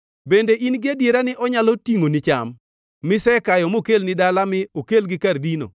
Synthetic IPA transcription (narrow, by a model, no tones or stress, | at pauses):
bendeʔinɡɪadjeɾanɪʔɔɲalotiŋonɪt͡ʃa̰mː | ɪsɛkajɔmokelnɪdalamɪokelɡɪkardino̰